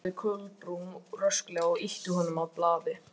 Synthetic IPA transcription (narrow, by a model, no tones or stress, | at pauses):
ɪkʰœɣlpɾuŋrœsklɛɣaɔɣiht̪ʏɦɔnːʏmaðplaːðɪ